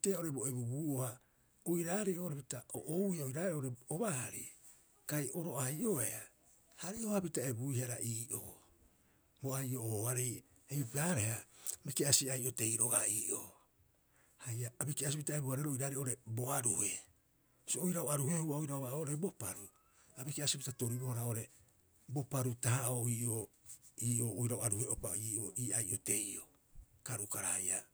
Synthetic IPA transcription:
teao̞ɾe̞bo̞ebubuːoha | ojɾaːɾejʔoːɾepitao̰ʔowjaojɾaːeoɾeoβahaɾḭ | kajʔo̞ɾo̞ʔajʔo̞ea | haɾiohapitae̞buihaɾaʔiːʔo̰ː | boajʔo̞oːaɾej | eipaɾe̞hamikeasiajʔo̞te̞jɾo̞ɡa̰iːʔo̰ | hajaːbikiasipitaeboaɾeɾojɾaɾeoɾe̞bo̞aɾuhe̞ | soʔojɾaoaɾuhe̞huaojɾaoβaoɾebo̞paɾu | abikiasipitato̞ɾibohoɾao̞ɾe̞ | bo̞paɾutahaoiːʔoiːʔo̞ːojɾaoaɾuheʔo̞paiːʔoʔiːajʔote̞jo̞̰ | kaɾukaɾahaja

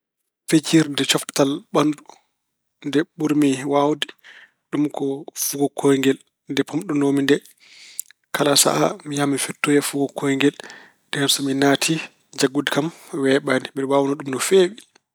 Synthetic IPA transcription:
fed͡ʒiɾndɛt͡ʃɔftalɓandu | ndɛɓuɾmiwawdi | ɗumkʰɔfuɡɔkʰɔjŋɡɛl | ndɛpɔmɗɔnomindɛ | kʰalasa̰ʔamijamifɛtːɔjɛfuɡɔkʰɔjŋɡɛl | dɛkamsɔminaːtʰi | d͡ʒaɡudkamwɛːɓaniɓɛɗwawnɔɗumnɔfeːwi

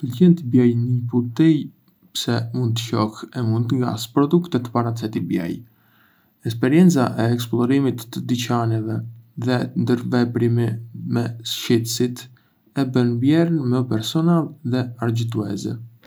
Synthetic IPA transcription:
pəlɟɛnt̪ibjɛjnəput̪ij | psɛmund̪̚t̪ə̥çɔxɛmund̪t̪əŋɡa̰spɾɔd̪ukt̪ɛt̪əpaɾat͡sɛt̪ibjɛ̰j | ɛks̬pɛɾjɛnt͡saʔɛɛksplˠɔɾimit̪ːəd̪it͡ɕanɛvɛðɛnd̪əɾvɛpɾimɛmɛsʃit̪əsit̪ | ɛbənbjɛɾənmɛɔpɛɾsɔnalˠðɛaɾd͡ʑit̪uɛ̰zɛ̰

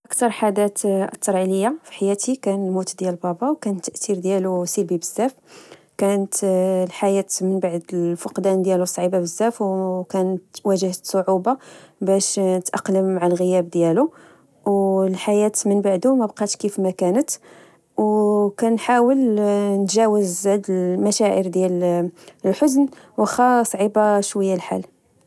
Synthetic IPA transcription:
ʔəkt̪ɑɾˤħad̪æt̪ə̰t̪ːɑɾˤʕiləjːafi̥ħajæt̪ikænəlmut̪d̪jælbɑbɑwkænət̪ːəʔt̪iɾd̪jælusilbibəzːæf | kænət̪lħajæt̪mənbaʕd̪əfəqd̪ænd̪jælusˤʕibabəzːæfwkænət̪wæʒəhət̪sˤoʕubabæʃnət̪ʔɑqləmːaʕalɣəjæbd̪jælu | wlħajæt̪mənbaʕd̪umæbqɑt̪ʃkifmækænət̪ | wkænħawəlnət̪ʒæwəzæd̪əlmæʃæʔəɾd̪jæl | lħʊznwəxæsˤʕibaʃwəjːælħa̰l

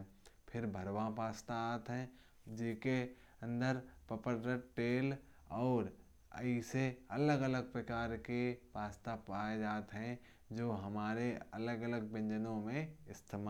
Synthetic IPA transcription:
pʰɪɾbʱɐɾʋãpaːst̪aaːt̪ɦɛ̃ | d͡ʒeːke | ɐ̃nd̪əɾpɐpəɾːəʈʈeːl | ɔːɾ | ɐ̰ɪseɐləɡələɡ̚pɾɐkaːɾkeʋaːst̪apaːed͡ʒaːt̪ɦɛ̃ | d͡ʒoːɦɐmaːɾeɐləɡələɡ̚bɪ̃ɲd͡ʒənõmẽɪst̪ʰeːma

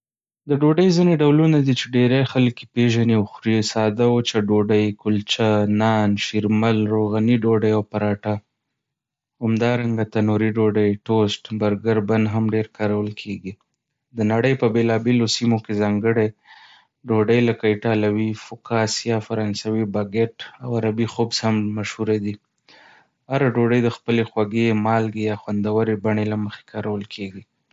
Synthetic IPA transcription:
d̪əɖoɖəjzineɖawlunad̪it͡ʃeɖeɾaxalkipeʒaniawxɾisɑd̪awot͡ʃaɖoɖəjkʊlt͡ʃanɑnʃiɾmalɾoɣaniɖoɖəjawpaɾɑʈa | hamd̪ɑɾaŋɡat̪anuɾiɖoɖəjʈosʈbaɾɡaɾband̪ɦamɖeɾkɑɾawəlkʰeɡi | d̪ənaɽəjpəbelɑbelosimokezɑŋɡəɽe | ɖoɖəjlakaʈɑlawifʊkɑsijɑfaɾɑnsawibaɡeʈawaɾabixobshamːaʃhuɾad̪i | haɾaɖoɖəjd̪əxpəlexwaɡemɑlɡejɑxwand̪awəɾebaɳelaməxe̥kʰɑɾawəlkʰeɡi

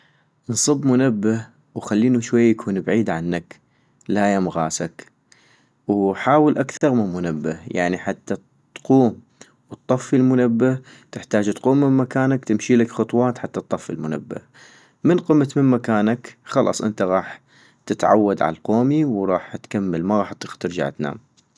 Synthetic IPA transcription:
nsˤɨbmʊnabːa | wxalːiːnuʃwajːakʰuːnbʕiːd̪ʕanːak | laːjamɣaːsak | wħaːwɪlʔakθɑɾˤmɪnmʊnabːahja̰ʕniħat̪ːa | t̪quːm | wɨt̪ˤːɑfːilmʊnabːa | t̪ɪħt̪aːd͡ʒt̪quːmːɪnmakaːnakt̪ɪmʃiːlakxʊt̪ˤwɑːt̪ħat̪ːɑt̪ˤːɑfːḭlmʊna̰bːa̰ | mɪnqɨmːat̪mɪnmakaːnakxɑlʔɑ̰sˤʔɪ̰nt̪aɣɑːħ | t̪ɪt̪ʕa̰wːad̪ʕa̰lqoːmiwɾˤɑːħt̪kamːalmaɣɑːħt̪t̪ɪɾd͡ʒa̰ʕt̪na̰ːm

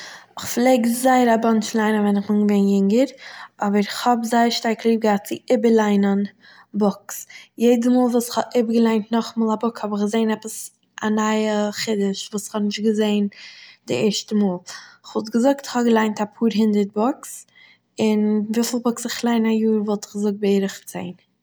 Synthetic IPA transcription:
ɪχflˠeɪɡzaɪəɾabɔnt͡ʃlˠaɪnəvɛnɪχbɪnɡəveɪnjɪŋɡəɾʔɔbəɾɪχhɔbzaɪəɾʃtaɾklˠiːb̚ɡaːt͡sɪʔɪbəɾlˠaɪnən | bɔksjeɪdəmuːlˠvuːsɪ̥χhɔʔɪbəɡəlˠaɪntnɔχmɔːlˠabʊkshɔbɪχɡəzeɪnɛpəs | ʔa̰naɪəχɪdɪʃvuːsɪ̥χhɔnɪʃtɡəzeɪndɪɛɾʃtəmuːlˠɪχvɔlˠtɡəzʊk̚tɪ̥χhɔbɡəlˠaɪntapʰuːɾɦɪndəɾt̚bɔks | ɪnviːfl̩ˠbʊksɪχlˠaɪnajuːɾvɔlˠtɪ̥χɡzʊk̚t̚bɪɾɪχt͡sḛɪn

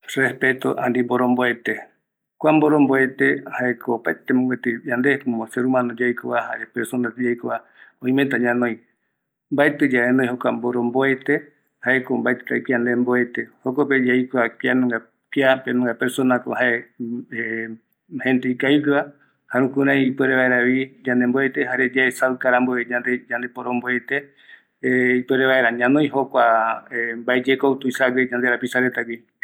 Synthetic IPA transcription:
respet̪o̰ʔand̪imboɾomboet̪e | kʷamboɾomboet̪ehaekʰopaet̪emõɡwet̪ɨjand̪ehkomoseɾumãnod͡ʒajkoβahaɾepeɾsonat̪ed͡ʒajkoa | oĩmet̪aɲãnõĩ | mbaet̪ɨd͡ʒaenõj̃hokʷamboɾomboet̪e | haekombaet̪ɨ̥t̪aikiand̪emboet̪ehokoped͡ʒajkoakianõŋɡa | kiapenõŋɡapeɾsonako̰haee | hẽ̞nd̪eikajkɨβa | haɾũkũɾãj̃ipweɾeβaeɾaβid͡ʒãnd̪emboet̪ehaɾed͡ʒaesaɨkaɾamboed͡ʒand̪ed͡ʒand̪e̞poɾõmboet̪e | ipweɾeβaeɾaɲãnõj̃ɦokʷa | mbaed͡ʒekowt̪uisaɡʷid͡ʒand̪eɾapisaɾet̪aɡʷi

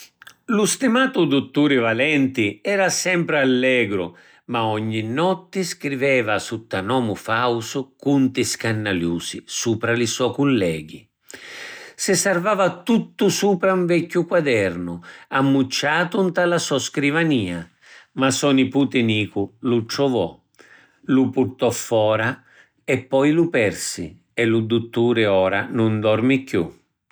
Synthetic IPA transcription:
lust̪imaːt̪ud̪ut̪ːuːɾɪvalɛnt̪ɪɛːɾasɛmpɾɪalːɛːɡɾʊ̰ | maɔɲːinːɔt̪ːɪskɾivɛːvasut̪ːanɔːmʊfawsʊkunt̪ɪskanːaljuːsisuːpɾalisɔkulːɛːɡi | sɪsarvaːvat̪ut̪ːʊsuːpɾauɱvɛkːʊkwad̪ɛrnʊamːut͡ʃːaːt̪unt̪alasɔskɾivaniːa | masɔnipuːt̪ɪniːkʊlut͡ʃɾɔvɔ̰ | lupurt̪ɔfːɔːɾa | ɛpːɔjlupɛrsɪ̰ | ɛlud̪ut̪ːuːɾɪɔːɾanʊnd̪ɔrmɪkjṵ

